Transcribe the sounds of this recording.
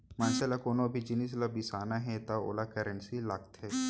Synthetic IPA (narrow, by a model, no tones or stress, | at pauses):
mãːʃalakoːnõɐbʱid͡ʒɪnis̬labisaːnaɦɛ̃t̪ao̰ːlakəɾə̃nsilaːkt̪ɦɛː